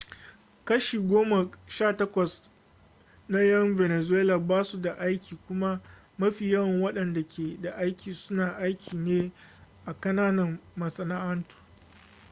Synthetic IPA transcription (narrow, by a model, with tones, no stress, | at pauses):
kɐ˦ʃiː˨ɡʷoː˦ma˨ʃaː˦˨tɐ˦kʷɐ˨s | na˦jɐ˦mve˨ne˨zʊ˦weː˦laː˨baː˦su˨da˨ʔa˦jkʲiː˨kʷʊ˦ma˦ | mɐ˦ɸiː˨jɐ˦wɐ˨ŋwɐ˦ɗɐ˨nda˨kʲʰeː˨da˨ʔa˦jkʲiː˨sʊ˦naː˨ʔa˦jkʲʰiː˨neː˦ʔa˨kɐ˦naː˦nɐ˨mmɐ˨sɐ˨naː˦ʔɐ˦ntu̥˨